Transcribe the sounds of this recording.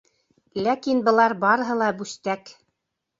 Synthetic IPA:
lækinbɤ̆lˠɑɾbɑɾɤ̆ɦɤ̆lˠɑbʉst̪æk

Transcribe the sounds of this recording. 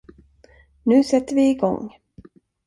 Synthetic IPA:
nʉ̟ːsɛt̪ːəɾvɪɪɡɔ̰ŋ

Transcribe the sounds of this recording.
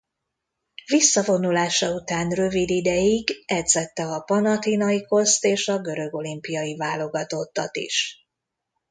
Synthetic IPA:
visːɒvo̞nulaːʃɒut̪aːnrø̞vid̪id̪ɛjiɡɛd̪zɛt̪ːɛɒpɒnɒt̪inɒiko̞st̪eːʃɒɡø̞ɾø̞ɡo̞limpijɒivaːlo̞ɡɒt̪o̞t̪ːɒt̪ḭʃ

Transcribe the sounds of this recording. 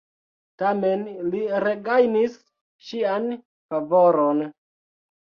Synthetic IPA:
tamenliɾeɡajnis | ʃian | favoɾon

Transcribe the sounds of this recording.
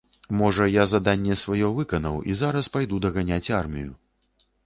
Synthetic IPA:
mɔʐɐjazad̪anʲːɛsvajɔvɨkɐnɐwḭzaɾɐspajd̪ud̪ɐɣanʲat͡sʲarmʲḭju

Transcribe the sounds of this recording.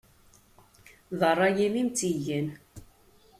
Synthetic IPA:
ðərˤːɑjimimt͡siʝən

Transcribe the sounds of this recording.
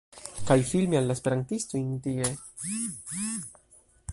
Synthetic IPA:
kajfilmialːaespe̞ɾantistointie

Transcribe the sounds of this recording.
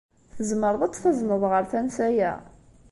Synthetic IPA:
θəzməɾˤðˤɑt̪ːˤθɑzˤnəðˤʁəɾθænsæjæ̰

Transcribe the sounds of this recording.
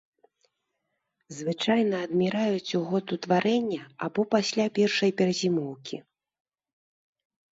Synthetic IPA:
zvɨt͡ʂajn̪ɐːd̪mʲiɾajut͡sʲuɣɔt̪ut̪vaɾɛnʲːɐabɔpasʲlʲapʲɛrʂɐjpʲɛɾɐzʲimɔwkʲi

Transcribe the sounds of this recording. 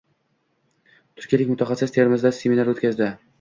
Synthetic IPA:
t̪ʰʊɾkʲielɪkʲmʊt̪ʰɑχɑsɪst̪ʰe̞ɾmɪzd̪asemʲinaɾot̪ʲkʲazd̪ɪ

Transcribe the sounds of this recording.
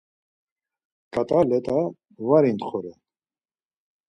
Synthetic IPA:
kʼat̪ʼalɛt̪ʼa | vaɾint̪χɔɾɛ

